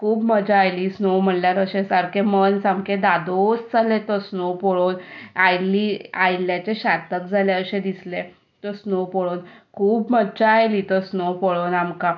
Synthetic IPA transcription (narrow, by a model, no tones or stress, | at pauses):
kʰuːbməd͡ʑaːjliːsnom̤əɳljaɾəɕẽsaɾkemənsamkẽd̪ad̪osd͡zalet̪əsnopɔɭonajliːajljãt͡ɕeɕat̪ək̚d͡zʱaleəɕẽd̪isle | t̪əsnopɔɭonkʰuːbməd͡ʑaːjliːt̪əsnopɔɭonamka